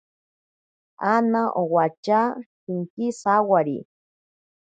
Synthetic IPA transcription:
anaʔowat͡ʃasiŋkisawaɾḭ

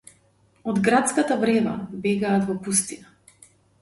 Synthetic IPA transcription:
ɔd̪ɡɾat̪skat̪avɾɛva̰bɛɡaːt̪vɔpust̪ina

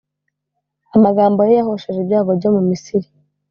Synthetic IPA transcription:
amaɡaːmbo̞jejaho̞ʃeʒebjaːβo̞ɾɟo̞mumisiɾi

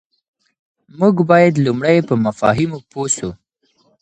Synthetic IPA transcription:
muɡbɑjad̪lumɽajpəmafɑ̰ɦɪmoposu

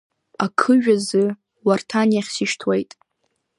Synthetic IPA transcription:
akʰɨʒᶣazɨ | wartʰanijaχʲsiʃtʰwejtʼ

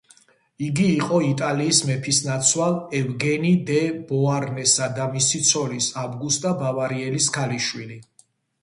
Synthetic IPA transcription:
iɡiːqʼɔit̪ʼaliːsmɛpʰisnat̪sʰwalˠɛvɡɛnid̪ɛb̥ɔaɾnɛsad̪amisit̪sʰɔlisabɡust̪ʼabavaɾiɛliskʰaliʃwili

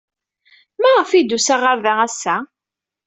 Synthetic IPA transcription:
mæʁəfid̪usaʁəɾðææsːæ

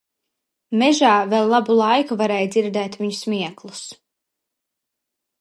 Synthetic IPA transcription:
mɛʒaːvɛlˠːabulˠajkuvaɾɛːjd̪ziɾd̪ɛːt̪viɲusmʲiɛklˠus

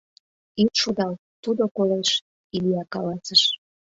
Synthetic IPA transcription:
it̪ʃod̪ɑl | t̪ud̪okoleʃ | iliɑkɑlɑsəʃ

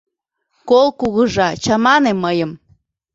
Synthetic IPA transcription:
kolˠkuɣəʒɑt͡ɕɑmɑneməjə̆m

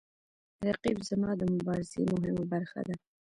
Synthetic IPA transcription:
ɾaqibzamɑd̪əmʊbɑɾɪzḛmʊɦɪmabaɾxa̰d̪a

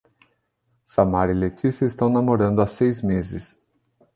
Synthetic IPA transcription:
samaɾilet͡ʃ̪isjɐɪst̪ɐ̃w̃namoɾɐ̃nd̪ʊasejzmezɪs

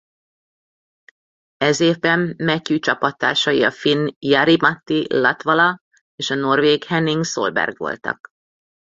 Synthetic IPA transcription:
ɛzeːvbɛmːɛcːyt͡ʃɒpɒt̪ːa̰ːrʃɒjiɒfinjɑɾimɒt̪ːilɒt̪vɒlɒ | eːʃɒno̞rveːɡhɛniŋɡso̰lbɛ̰rɡʋo̰lt̪ɒ̰k

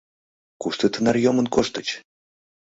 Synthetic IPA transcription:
kuʂt̪ɨt̪ənarjomənkoʂt̪ə̆t͡ɕ

